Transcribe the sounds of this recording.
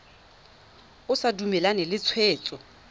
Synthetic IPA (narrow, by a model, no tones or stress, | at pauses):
ʊsadumɛlanɛlɪt͡sʰweːt͡sʼɔ